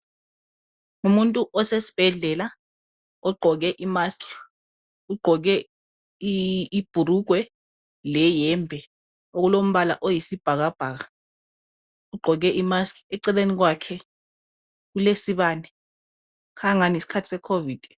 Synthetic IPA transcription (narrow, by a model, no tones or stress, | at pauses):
umuntʼuʔɔsesi̥b̥ʱɛɮɛla | ɔɡ͡ǃʱɔk̬ɛʔimaskʰ | uɡ͡ǃʱɔk̬ɛ | iib̥ʱuɾuɡ̥ʱwɛ | lɛjɛmbʱɛ | ok̬ulom̩ɓala̰ʔojisib̥ʱak̬ab̥ʱaːk̬a | uɡ͡ǃʱɔk̬ɛʔimaskʰʼɛǀɛlenik̬wakʰɛ | k̬ulesiɓaːnɛ | kʰaŋanisi̥kʰatʰisɛkʰoviːd̥ʱ